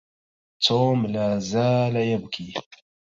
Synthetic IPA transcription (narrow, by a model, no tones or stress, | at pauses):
t͡soːmlaːzaːlajabkʰi